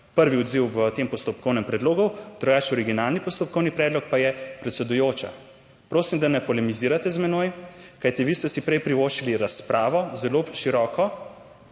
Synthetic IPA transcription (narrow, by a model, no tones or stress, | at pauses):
pəɾʋiɔd̪ziwʋət̪eːmpɔst̪ɔpkɔwnɛmpɾɛd̪loːɡud̪̥ɾuɡaːt͡ʃɔɾiɡinalnipɔst̪ɔp̚kɔwnipɾɛːd̪lɔk̚pajɛpɾɛt̪sɛd̪ujoːt͡ʃa̰ | pɾoːsimd̪anɛpɔlɛmiziːɾat̪ɛzmɛnojkajt̪iʋiːst̪ɛsipɾɛjpɾiʋoːʃiliɾaspɾʔaːʋɔzɛloʃiɾɔːkɔ